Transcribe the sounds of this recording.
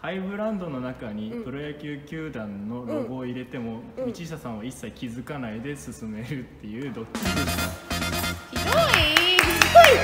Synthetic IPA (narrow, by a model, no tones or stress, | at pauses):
haibɯ̟ɾãnd̪o̞no̞nakaɲ̟it̪o̞ɾajakʲɨːkʲɨːd̪ãnːo̞ɾo̞ɡo̞ːiɾe̞t̪e̞mo̞mʲit͡ɕiɕasãɰ̃βaisːaikʲizɨkanaid̪e̞sɨsɨme̞ɾɯ̟t̪ːe̞jɯːd̪o̞kʲːid̪esɨ̥ka | siɡoimizɨkai